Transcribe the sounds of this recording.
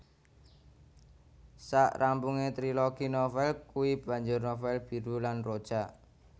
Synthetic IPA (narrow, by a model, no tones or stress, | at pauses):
saʔrampuŋet̪ɾiloɡ̥inofɛlkuwib̥a̤ɲd͡ʒʊrnɔfɛlb̥i̤ɾulanrod̥ʒ̥a